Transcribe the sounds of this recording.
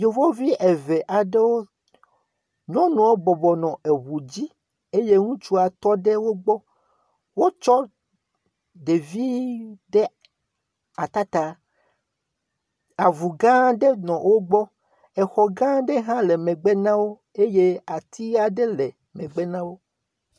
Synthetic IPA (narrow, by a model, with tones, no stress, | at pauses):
jo˨vɔ˦vi˦ʔe˨ve˨ʔa˨ɖe˦wo˦ | ɲɔ̃˦nũ˨wo˦bɔ˨bɔ˨nɔ̃˨e˨βu˨d͡ʑi˦ | e˦je˦ŋũ˦t͡ʃu˦a˨t̪ɔ˦ɖe˦wo˦ɡ͡bɔ˦ | wo˦t͡ʃɔ˦ | ɖe˨vi˦ɖe˦ | a˨t̪a˦t̪a˨ | a˨vu˨ɡã˦ɖe˦nɔ̃˨wo˦ɡ͡bɔ˦ | ɛ˨xɔ˨ɡã˦ɖe˦ɦã˦le˨mɛ̃˨ɡ͡be˦nã˦wo˦ | e˦je˦a˨t̪ʰi˦a˨ɖe˦le˨ | mẽ˨ɡ͡be˦nã˦wo˦